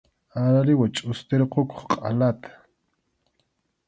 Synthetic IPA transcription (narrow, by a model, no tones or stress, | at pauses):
aɾaɾɪwat͡ʃʼʊst̪eɾqoko̥χqʼa̰lat̪ʰḁ